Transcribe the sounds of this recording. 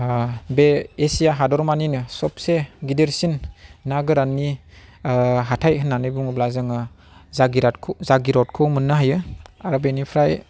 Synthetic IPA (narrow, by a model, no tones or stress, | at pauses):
beːsijaɦadɔɾmaninɯsɔp̚seɡideɾsinːaɡɯɾanːi | ɦatʰajhɯnːanɯjbuŋblazɯŋɯ | zaɡiɾakʰzaɡiɾɔt̚kʰɯwmɯnːɯɦajɯaɾbenipʰɾaj